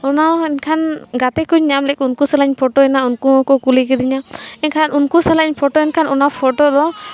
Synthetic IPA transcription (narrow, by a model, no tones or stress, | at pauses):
ɔnaɛnkʰanɡat̪ɛkuɲːamlɛkunkusalaɲpʰɔʈɔɛnaunkuɦɔ̃kɔkulik̬ɛd̪iɲaɛnkʰanʔunkusalaɲpʰɔʈɔɛnkʰanɔnapʰɔʈɔd̪ɔ